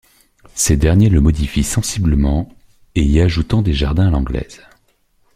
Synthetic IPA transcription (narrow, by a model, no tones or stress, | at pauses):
sed̪ɛʁnjeləmɔd̪ifisɑ̃sibləmɑ̃ | eiaʒut̪ɑ̃d̪eʒaʁd̪ɛ̃alɑ̃ɡlɛ̰ːz̥